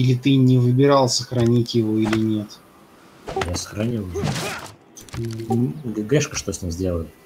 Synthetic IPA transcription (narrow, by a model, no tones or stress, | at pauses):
ilʲɪt̪ɨnʲɪvɨbʲɪɾɑlˠsəxɾɐnʲitʲjɪvo̞ilʲɪnʲe̞t̪ | jasə̥xɾɐnʲilˠjɪo | ɡɡʲeʂkəʂt̪osʲnʲimzʲdʲe̞lˠəlʲ